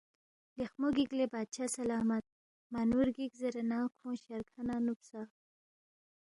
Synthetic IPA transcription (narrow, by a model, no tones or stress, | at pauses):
lexmoɡiɡlebɑːd̪̚t͡ʃʰaːsalɑːmat̪̚ | manuɾɡikzeɾenɑːkʰõːʃaɾkʰanɑːnupsa